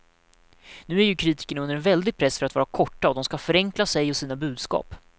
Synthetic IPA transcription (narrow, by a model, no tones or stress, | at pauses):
nʉ̟ːæɾjɵkʰɾiːt̪ɪ̥kəɳaɵnd̪əɾɛnvɛld̪ɪɡ̚pʰɾɛsːfœɾat̪vɑːɾakʰɔʈːaɔd̪ɔmskafœɾɛŋklasɛjɔsiːnabʉ̟ːd̪skɑ̰ːp